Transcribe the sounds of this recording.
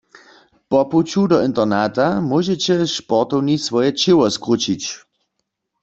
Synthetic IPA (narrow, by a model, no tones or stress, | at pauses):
pɔput͡ɕudɔint̪ɐʁnat̪amoʒɛt͡ɕɛʃpɔʁt̪ɔwnisʋɔjɛt͡ʃɪwɔskʁut͡ʃit͡ɕ